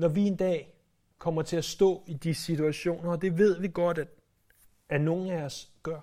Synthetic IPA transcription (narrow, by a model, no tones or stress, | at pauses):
nɒʋie̝nd̥ɛ̰ː | kʰɒ̽m̰ɐt͡sʰe̝æsd̥ɔ̰̽ːid̥isit͡sʰuæɕo̝̰ːnɐːd̥e̝ʋe̝ð̞̰ˠʋiɡ̥ɒ̽d̥æ̥ | æno̝ːn̩æɒsɡ̥ɶɐ̰